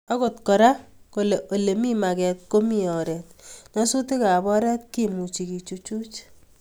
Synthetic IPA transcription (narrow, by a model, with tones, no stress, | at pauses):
ɔ˦ko˨tkɔ˨ɾa˦ko˨le˨ʔo˨le˨mi˦ma˨kɛ˨t̚ko˦mi˦ɔ˨ɾɛ˨t̚nɔ˦su˦ti˦ka˨bɔ˦ɾɛ˦tki˦mu˨t͡ʃi˨ki˨t͡ʃu˦t͡ʃu˦t͡ʃ